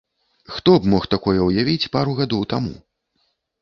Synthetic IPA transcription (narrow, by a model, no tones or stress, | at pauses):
xt̪ɔbmɔxt̪akɔjɛwjavʲit͡sʲpaɾuɣad̪ɔwt̪amṵ